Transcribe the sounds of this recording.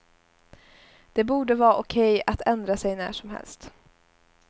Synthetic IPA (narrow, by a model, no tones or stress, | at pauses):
d̪̥ɛbuːɖəvɑːʔʊkʰɛjat̪ʰɛnd̪ɾasɛjnæ̰ːʂɔmɦɛ̰lst̪